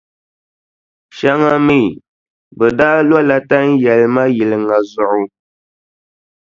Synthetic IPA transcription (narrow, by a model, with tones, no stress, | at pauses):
ʃa˦ŋa˦mi˦˨ | bə˨daː˦lwa˦la˦ta˦n̩˦jɛ˨lma˦ji˨lɨ˨ŋa˨zʊ˨ʔu˨